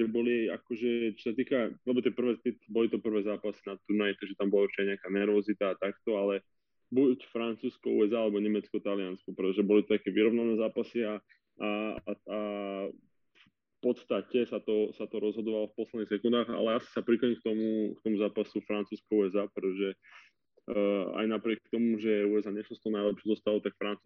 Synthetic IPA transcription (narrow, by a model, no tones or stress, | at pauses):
ʒɛbɔlia̰kɔʒɛt͡ʃɔ̥sat̪iːkaalɛbɔt̪ɪɛpr̩ʋɛːt̪it̪bɔlit̪ɔpr̩ʋɛːzaːpasinat̪uɾnajt̪ɛʒɛt̪ambɔlauɾt͡ʃiajɲɛakaːnɛɾʋɔzit̪aːt̪akt̪ɔalɛ | bucfɾant͡suːskɔṵːɛzaːalɛbɔɲɛmɛt͡skɔt̪alɪanskɔpɾɛt̪ɔʒɛbɔlit̪ɔ̥t̪akɛːʋiɾɔʋnanɛːzaːpasia | aa | f | pɔt̪st̪acɛsat̪ɔsat̪ɔɾɔzɦɔd̪ɔʋalɔfpɔslɛd̪nixsɛkund̪aːɣa̰lɛasi̥sapɾikɔɲimk̚t̪ɔmukt̪ɔmuzaːpasufɾant͡suːskɔuːɛzaːpɾɛt̪ɔʒɛ | a̰jnapɾɪɛk̚t̪ɔmuʒɛɛuːɛzaːɲɛslɔst̪ɔnajlɛpʃɛzɔst̪alɔt̪akfɾant͡su